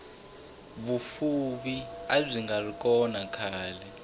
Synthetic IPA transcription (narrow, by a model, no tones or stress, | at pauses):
ɓufuɓiaziŋɡaluk̬ʼɔnakʰaːlɛ